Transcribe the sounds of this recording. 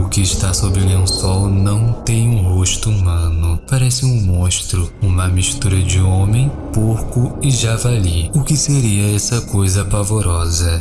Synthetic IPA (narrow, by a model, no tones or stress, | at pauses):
ʊkɪʃt̪asobɾɪliũsɔwnɐ̃w̃t̪ẽj̃ũɦoʃt̪ʊumɐ̃nʊpaɾɛsɪũmõʃt̪ɾʊũmɐmiʃt̪uɾɐd͡ʒɪõmẽj̃ | poɾkʊɪʒavaliʊkɪseɾiɐɛsɐkojzɐpavoɾɔzɐ